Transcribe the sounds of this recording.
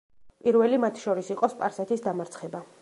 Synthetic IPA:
pʼiɾvɛlimat̪ʰʃɔɾisiqʼɔspʼaɾsɛt̪ʰisd̪amaɾt̪sʰχɛba

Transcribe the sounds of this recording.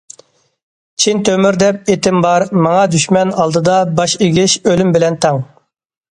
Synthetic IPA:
t͡ʃʰint̪ʰømyɾd̪ɛp̚et̪ɪmbɑɾmɑŋɑd̪yʃmɛnɑlˠd̪ɨd̪ɑbɑʃeɡʲɪʃølymbɪlɛnt̪ʰɑŋ

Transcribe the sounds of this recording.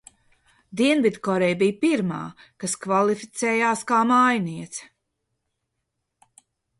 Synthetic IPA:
d̪iɛnvid̪kɔɾɛjbijpiɾma̰ːkaskvalˠifit̪sɛːjaːskaːmajniɛt̪s

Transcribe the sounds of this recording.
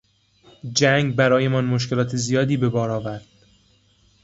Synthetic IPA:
d͡ʒæŋɡbæɾɒːje̞mɒːnmoʃ̬kʰelɒːt̪ʰezijɒːd̪iːbe̞bɒːɾɒːvæɾd̪̥

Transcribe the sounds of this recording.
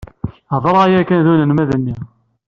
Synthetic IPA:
ðˤəɾˤajækænðunənmæðənːi

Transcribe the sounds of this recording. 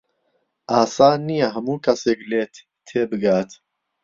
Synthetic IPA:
ʔaːsaːnijaɦɐmuːkʰɐseːkleːt̪ | t̪ʰːeːbɨɡaːt̪

